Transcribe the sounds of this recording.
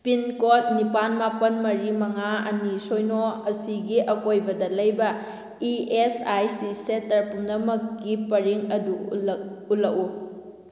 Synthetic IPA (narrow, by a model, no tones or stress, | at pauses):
pinkot̚nipanmapɐnmɐɾimɐŋaɐ̰nisojnoɐsiɡiʔɐkojbɐdɐlɐjbɐ | iesajsisentɐɾpumnɐmɐkːipɐɾiŋɐdu | ulɐku